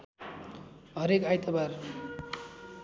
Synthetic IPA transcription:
ɦʌɾekajt̪ʌbar

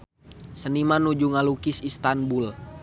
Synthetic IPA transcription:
sənimanud͡ʒuŋalukisist̪anbul

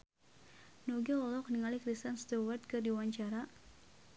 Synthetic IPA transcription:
noɡɛɔlɔk̚niŋalikɾist̪anst̪uwərt̪̚kɨrdiwaɲt͡ʃaɾa

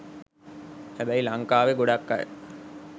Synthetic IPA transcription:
hæbæilaŋkaːʋeɡoɖakːa̰j̰

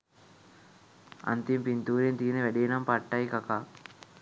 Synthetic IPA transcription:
ɐ̰nt̪impint̪uːɾent̪iːneʋɐɖinɐmpɐʈːɐjkɐka

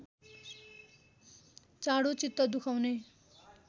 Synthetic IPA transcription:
t͡saɽot͡sit̪ːʌd̪ukʰawne

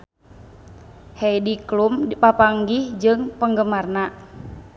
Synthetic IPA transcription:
hɛjdiklumipapaŋɡihd͡ʒɨŋpəŋɡəmarna

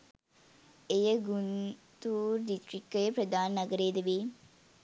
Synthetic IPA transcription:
ejəɡunt̪uːɾɖisʈɾikːəjəpɾɐd̪aːnːɐɡəɾeːd̪eʋiː

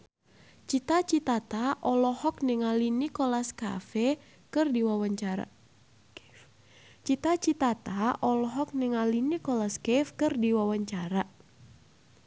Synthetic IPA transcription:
t͡ʃit̪at͡ʃit̪at̪aʔɔlɔhɔk̚niŋalinikɔlaska̰fɛ | kɨrdiwawaɲt͡ʃa̰ | t͡ʃit̪at͡ʃit̪at̪aʔɔlɔɦɔk̚nɪŋalinikɔlaskɛfkɨrdiwawaɲt͡ʃaɾa

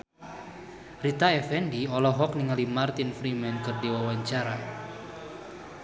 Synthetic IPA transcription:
rit̪aɛfɛndiɔlɔɦɔk̚niŋalimart̪infɾimɛnkɨrdiwawaɲt͡ʃaɾa

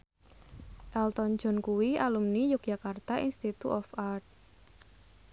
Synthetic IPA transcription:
ʔɛlt̪ɔn̥d͡ʒ̥ɔ̤nkuwialumnijʊk̚ʒ̥akart̪aʔḭnst̪it̪ṵʔɔfart̪̚

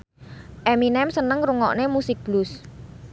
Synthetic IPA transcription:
ʔɛminɛmsənəŋɾuŋɔ̰ʔnemusɪk̚b̥lʊs

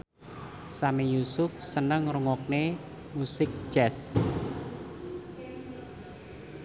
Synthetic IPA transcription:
samijusʊfsənəŋɾuŋɔk̚ne | musɪk̚ʒ̥ɛs

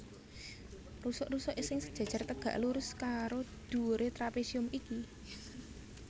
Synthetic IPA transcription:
rusɔʔrusɔʔesɪŋsəd̥ʒ̥a̤d̥ʒ̥a̤rt̪əɡ̥ä̤ʔluɾʊskaɾod̪̥ṳɾet̪ɾapesiʊmiki

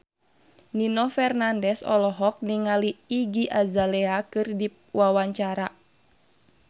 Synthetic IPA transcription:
ninɔfɛrnandɛsɔ̰lɔɦɔk̚niŋaliːɡiʔazalɛakɨrdi | wawaɲt͡ʃaɾa

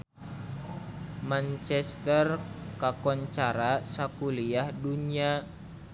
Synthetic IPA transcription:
mant͡ʃɛst̪ərkakɔɲt͡ʃaɾasakuliahdunia

